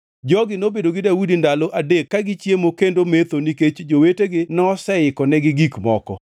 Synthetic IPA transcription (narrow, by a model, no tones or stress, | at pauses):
d͡ʒɔɡɪnobedoɡɪdawudindaloʔadekːaɡɪt͡ʃjemokendomet̪oniket͡ʃd͡ʒoweteɡɪnɔsɛɪkɔnɛɡɪɡikmɔkɔ̰